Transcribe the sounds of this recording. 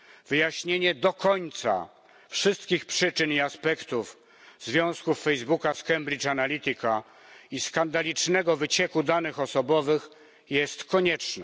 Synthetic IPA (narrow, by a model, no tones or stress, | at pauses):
v̥ɘjaɕɲeɲɛd̪ɔkɔɲt̪sa̰ | fʂɘst̪kʲixpʂɘt͡ʂɘniaspɛkt̪uf | zvʲjɔ̃w̃skufːɛjzbukaskɛmbɾʲit͡ʂanalʲit̪ɘka | iskand̪alʲit͡ʂnɛɡɔvɘt͡ɕɛkud̪anɘxɔsɔbɔvɘx | jɛst̪kɔɲɛt͡ʂnɛ